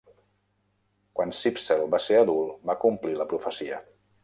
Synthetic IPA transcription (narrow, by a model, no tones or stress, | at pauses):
kwansipsɛlˠbaseɾəðulˠbakumpliləpɾufəsiə